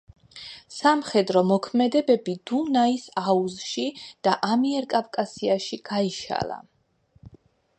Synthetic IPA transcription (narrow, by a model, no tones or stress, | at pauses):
samχɛd̪ɾɔmɔkʰmɛd̪ɛbɛbid̪̥unaisauzʃid̪̥aʔamiɛɾkʼavkʼasiaʃiɡ̥aiʃa̰lˠa̰